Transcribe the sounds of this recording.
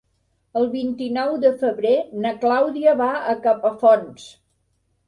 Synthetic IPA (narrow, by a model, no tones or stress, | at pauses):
əlˠβint̪inɔwd̪əfəβɾenəklawðiəβaəkapəfɔns